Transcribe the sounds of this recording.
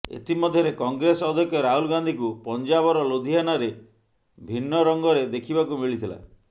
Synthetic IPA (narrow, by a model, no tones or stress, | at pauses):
ḛt̪imɔd̪ʱjɔɾekɔŋɡɾesɔd̪ʱjɔkʰjɔɾaɦulɡand̪ʱikupɔnd͡ʒaβɔɾɔlod̪ʱiɦanaɾe | bʱinːɔɾɔŋɡɔɾed̪ekʰibakumiɭit̪ʰila̰